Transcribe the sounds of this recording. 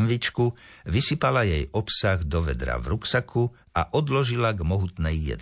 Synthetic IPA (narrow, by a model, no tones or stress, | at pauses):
nʋit͡ʃku | ʋisipalajɛjɔpsaɣd̪ɔʋɛ̰d̪ɾa̰ʋɾuksakʰu | aʔɔd̪lɔʒilaɡmɔɦut̪nɛjːɛ̰d̪